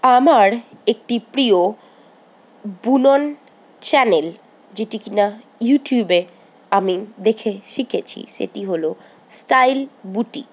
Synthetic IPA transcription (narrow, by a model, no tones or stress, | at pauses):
amaɾ | ek̚ʈipɾio | bunon | t͡ɕɛnel | d͡ʑeʈikina | juʈjube | amid̪ekʰeʃikʰet͡ɕʰḭʃḛʈiɦolo | sʈajlbuʈḭ